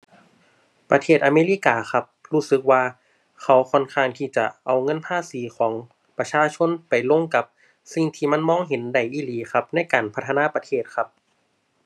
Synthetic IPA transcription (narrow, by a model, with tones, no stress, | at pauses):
pɾa˧t̪ʰeː˧˩t̪ʔaː˧meː˧˥˨liː˧˥˨kaː˨˧xa˧˥p̚ɾuː˧˥˩sɯ˨˧˦k̚waː˧ | kʰa˧˩wkʰɔ˧˩nkʰaː˧˩nt̪ʰiː˧˩t͡ɕa˧ʔa˨˩wŋɤ˧˥˨npʰaː˧˥˨siː˨˦kʰɔː˩˦ŋ | pa˧t͡ɕʰaː˧˥˨t͡ɕʰo˧˥˨npa˨˩jlo˧˥˨ŋka˧p̚ | si˧˩ŋt̪ʰiː˧˩ma˧˥˨nmɔː˧˥˨ŋɦe˨˦nda˧˩jʔiː˧˩liː˨˦xʰa˧˥p̚na˧˥˨jkaː˨˩npʰa˧t̪ʰːa˧naː˧˥˨pa˧t̪ʰeː˧˩t̪̚kʰa˧˥p̚